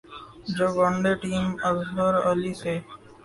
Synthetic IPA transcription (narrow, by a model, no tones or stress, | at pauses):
d͡ʒoːʋəɳɖeːʈiːməzɦəɾəliːsʰeː